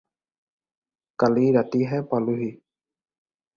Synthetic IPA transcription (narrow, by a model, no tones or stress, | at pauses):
kaliɾat̪iɦẽpaluɦi